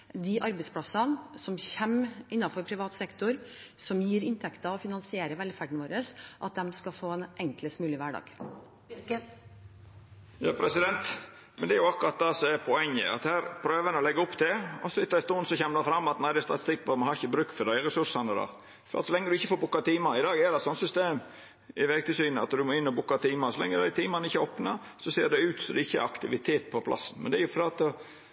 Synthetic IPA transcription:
d̪ɪʔɑɾbɛɪspʰlɑsɑnsɔmçɛmɪnːɑfɔɾpʰɾɪʋɑːt̪sɛkt̪ʊɾsɔmjiːɾɪnt̪ʰɛkt̪ɑɔfɪnɑnsɪeːɾəʋɛlfæɖɳ̩ʋoːɾəsʔɑt̪̚d̪ɛmskɑfoːɛnʔɛŋkləst̪mʉːlɪʋæɖɑ̰ːɡ̥ | jɑːpʰɾɛsɪd̪ɛnt̪ | mɛnd̪ɛæɾjʊɑkʊɾɑt̪̚d̪eːsɔɛpʰɔɛŋːə̰ɑ̰t̪hæːɾpʰɾøːʋənəɔlɛɡːəʊpːt̪ʰɪlɔsɔɪt̪ːɑɪst̪oːnsɔçɛmːəd̪ɑfɾɑmːɑt̪næɪd̪ɛst̪ɑt̪ɪ̥st̪ɪkːʋɑɾmɑnhɑɾɪçːəbɾʉːkfɔd̪æɪɾɛsʉʂɑnəd̪ɑ̰ː | fɔɾɑ̰t̪sɔlɛŋːəɾd̪ʉɪçːəfoːɾbʊkːɑt̪iːmɑɪd̪ɑːɡɛd̪ɛt̪sɔnsʏst̪eːm | ɪʋeɡt̪ɪsyːnəɑ̰t̪d̪ʉmoːɪnːɔbʊkːɑt̪ʰiːmɑsɔlɛ̰ŋːəd̪æɪt̪ʰiːmɑnɪçːəoːpnɑ | sɔseːɖ̪ɛʉːt̪sɔd̪ɛɪçːəɛ̰ɾɑkt̪ɪʋɪt̪ʰeːt̪̚pʰɔpʰlʔɑ̰sːn̩mɛnd̪ɛɾjʊfɔɾɑt̪ː

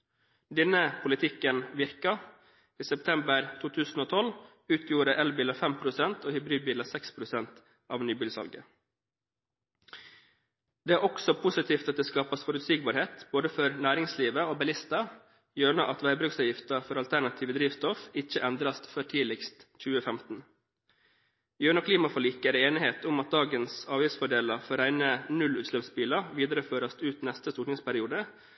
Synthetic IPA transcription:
d̪ɛnəpʰʊlɪt̪ʰɪkːənʋɪɾkɑ | iːsɛp̚t̪ʰɛmbəɾt̪ʰuːt̪ʰʉːsn̩oːt̪ʰɔl | ʉːt̪ʰjuːɾəʔɛlbiːləfɛmpʰɾʊsɛnt̪oːhʏbɾiːd̪̚biːləsɛkspʰɾʊsɛnt̪ | ʔɑ̰ːʋnyːbɪːlsɑ̰lɡə̰ | d̪̥eæːɾɔksɔpʰʊsɪt̪ʰiːft̪ɑt̪̚d̪eːskɑːpɑsfɔɾʉt̪siːɡ̚bɑːɾheːt̪b̥oːd̪əfɔɾnæːɾɪŋsliːʋəoːbɛlɪst̪ɑ | jøːɳɔʔɑt̪ʋæɪbɾʉksɑːʋjɪft̪əfɔɾɑlt̪ʰæɳɑt̪ʰiːʋəd̪ɾiːʋst̪ɔfɪçəʔɛnd̪ɾɑst̪fœʈʰiːlɪkst̪c͡çʉːəfɛmt̪n̩ | jøːɳɑkʰliːmɑfɔɭiːkəɾeːnɪheːt̪ʊmɑt̪̚d̪ɑːɡənsɑːʋjɪsfɔɖeːlɑfɔɾæɪnənʉlʉːt̪ʃløːpsbiːlɑʋiːd̪əɾəføːɾɑst̪ʉːt̪nɛst̪əst̪uʈnɪŋspæɾɪuːd̪ə

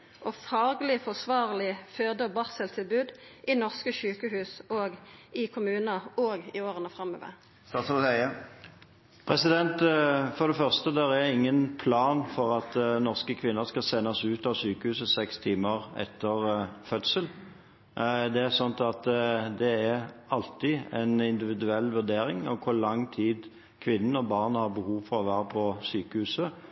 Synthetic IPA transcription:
ʔɔfɑːɡlɪfɔsʋɑːʁlɪføːd̪əbɑʁsəlt̪ʰɪlbʉːd̪ʔɪnɔʁskəsʉːkəɦʉːsoːɡɪkʰʊmʉːnəoːɡɪoːʁənəfʁɑmːo̰ːʋə̰ | st̪ɑːt̪slut̪œɪə | pʰɾɛsɪd̪ɛnt̪fɔʁd̪ɛfœʁst̪əd̪ɛʁɛɪŋːənpʰlɑːnfɔʁɑt̪nɔʁskəkʰʋɪnːəɾskɑlsɛnːɑsʉːt̪ɑʋsyːkəhʉːsəsɛkst̪ʰiːməɾɛ̰t̪ʰːəɾfœt̪səl | d̪ɛæɾsɔnt̪ɑt̪d̪ɛæɾɑlt̪ɪɛnɪnd̪ɪʋɪd̪ʉɛlːʋʉɾd̪eːɾɪŋɔkʰʊlɑŋːt̪ʰiːd̪ | kʰʋɪnːən̩ɔbɑːʁnhɑɾbəhuːʋfɔɾɔʋæːɾəpʰɔsyːkəhʉːsə

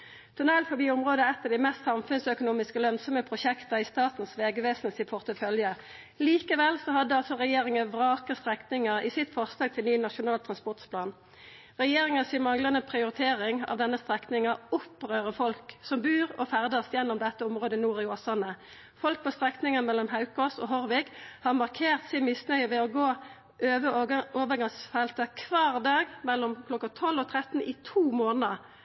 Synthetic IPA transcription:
t̪ʰʊnɛlfɔbiːʊmʁoːd̪əɛt̪ːɑd̪imɛst̪sɑmfʉnsœkʊnuːmɪskəlœnsɔməpʰʁʊʃɛkt̪ɑɪst̪ɑːt̪n̩sʋeːɡəʋeːsnsɪpʰʊʁt̪əfœljə | liːkəʋɛlsɔɦɑd̪ːəɑlsɔʁɛjeːɾɪŋəʋʁɑːkəst̪ʁɛknɪŋəʁɪsɪt̪fɔʁslɑːɡ̚t̪ʰɪlnyːnɑʃʊnɑːlt̪ʰʁɑnspɔʁt̪spʰlɑːn | ʁɛjeːʁɪŋəsɪːmɑŋlɑnəpʰʁɪʊʁɪt̪ʰeːʁɪŋɑ̰ʋd̪ɛnːəst̪ʁɛknɪŋɑʊpʁøːʁəfɔlksɔmbʉːʁɔfæʁd̪əʁsjɛnːɔmd̪ɛt̪ːəɔmʁoːd̪ənuːʁɪoːsɑnə | fɔlk̚pʰɔst̪ʁɛknɪŋənmɛlːɔmɦɑʉkɔst̪ɔ̰ɦɔʁʋɪkhɑʁmɑʁkʰeːʁt̪sɪmɪsnœʏʋɛɔɡoː | ʔøːʋəoːʋəɡɑŋsfɛlt̪əkʰʋɑːʁd̪ɑːɡmɛlːɔmkʰlɔkːɑt̪ʰɔlːɔt̪ʰʁɛt̪n̩ʔɪt̪ʰuːmoːnəə

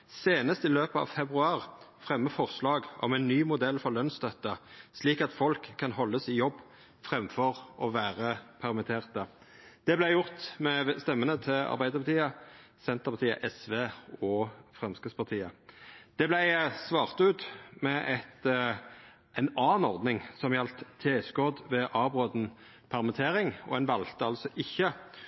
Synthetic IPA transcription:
seːnəst̪ɪløːpəɑ̰ʋfɛbʁʉɑːʁfʁɛmːəfɔʁslɑːɡɔ̰mæɪnːyːmʊd̪ɛlːfɔʁlœnst̪œt̪ːəsliːkɑt̪fɔlkʰːɑnɦɔlːəsɪjɔbː | fʁɛmfɔʁɔʋæːʁəpʰæʁmɪt̪ʰeːʁt̪ə | d̪̥ɛblæɪjʊʁt̪mɛst̪ɛmːənət̪ʰɪlɑ̰ɾbæɪd̪əɾpʰɑt̪ʰiːəsɛnt̪əʁpɑt̪ʰiːə̰ʔɛsʋeːɔfʁɛmskəspʰɑʁt̪ʰiːəd̪̥ɛblæɪsʋɑːʁt̪ʉːt̪mɛʔɛt̪ | ʔɛnɑːnɔʁd̪nɪŋsɔmjɛlt̪ʰːeːskɔd̪ʋɛʔɑːbʁoːd̪n̩ | pʰæʁmɛt̪ʰeːɾɪŋɔ̰ɛnʋɑlt̪əɑlsɔʔɪçːə

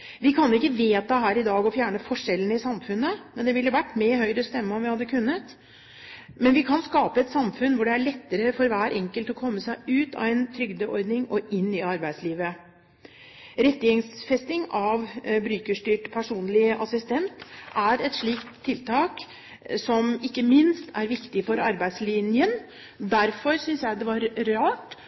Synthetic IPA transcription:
ʋɪkʰɑnjʊɪkːəʋeːt̪ɑɦæːɾɪd̪ɑːɡɔfjæːɳəfɔʂɛlːən̩ɪsɑmfʉnːəmɛnd̪ɛʋɪljʊʋæʈːmɛɦœʏɾəst̪ɛmːəɔmʋɪhɑd̪ːəkʰʉnːət̪ | mɛnʋɪkʰɑnskɑːpəɛt̪sɑmfʉnʋʊɖɛæɭɛt̪ːəɾəfɔɾʋæːɾʔɛŋkəlt̪ɔkʰɔmːəsæɪʉːt̪ɑ̰ʋɛnt̪ʰɾʏɡd̪əʔɔɾd̪nɪŋɔʔɪnːɪɑɾbæɪd̪sliːʋə | ɾɛt̪ːəjɛŋsfɛst̪ɪŋɑʋbɾʉːkəʂʈyːʈpʰæʂuːnlɪəʔɑsɪst̪ɛnt̪ʔæɾɛt̪ʂɭiːkt̪ʰːɪlt̪ʰɑːk | sɔmɪkːəmɪnst̪ʰæɾʋɪkt̪ɪfɔɾɑɾbæɪd̪slɪnjən | d̪æɾfɔɾsʏnsjæɪd̪ɛʋɑɾːɑːʈ

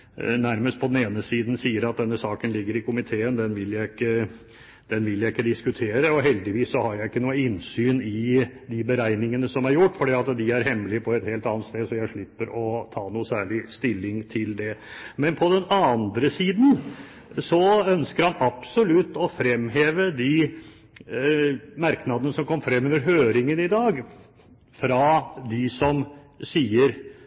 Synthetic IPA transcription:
næɾməst̪pʰɔd̪n̩eːnəsiːd̪n̩siːəɾɑt̪̚d̪ɛnːəsɑːkənlɪɡːəɾɪkʊmɪt̪ʰeːənd̪ɛnʋɪljæɪɪkːə | d̪̥ɛnʋɪljæɪɪkːəd̪ɪskʉt̪ʰeːɾəɔɦɛld̪ɪʋiːsːɔhɑɾjæɪɪkːənuːəɪnsyːnɪd̪ɪbəɾæɪnɪŋənəsɔmæɾjʊʈːfɔɖiːɑt̪d̪ɪæɾɦɛmːlɪəpʰɔɛt̪heːlt̪ɑːnət̪st̪eːd̪sɔjæɪʂɭɪpːəɾɔt̪ʰɑːnuːəsæːɭɪst̪ɪlːɪŋt̪ʰɪld̪ɛmɛnpʰɔd̪ɛnɑnd̪ɾəsiːd̪n̩ | sɔœnskəɾhɑnɑpsɔlʉt̪ːɔfɾɛmːɦeːʋəd̪ɪ | mɑɾknɑd̪ənəsɔmkʰɔmːfɾɛmːʉnəɾɦøːɾɪŋənɪd̪ɑːɡ | fɾɑd̪ɪsɔm | siːəɾ

